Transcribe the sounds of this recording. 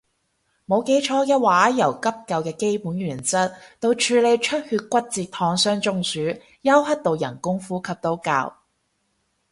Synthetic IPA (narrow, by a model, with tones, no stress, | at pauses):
mo˨˧wke˨˥jt͡ʃʰɔː˨˥kɛ˧waː˨˥jɐ˨˩wkɐ˥p̚kɐ˨˧wkɛː˧ke˥jpuː˨˥nɥyː˨˩nt͡sɐ˥t̚t̪o˧wt͡ʃʰyː˨˧le˨˧jt͡ʃʰɵ˥t̚hyː˧t̚kʷɐ˥t̚t͡siː˨˧t̚t̪ʰɔː˧ŋsœː˥ŋt͡sʊ˧˥ŋsyː˨˥ | jɐ˥whɐ˥t̚t̪o˨˧wjɐ̰˨˩nkʊ˥ŋfuː˥kʰɐ˧p̚t̪o˨˥wka̰ː˧w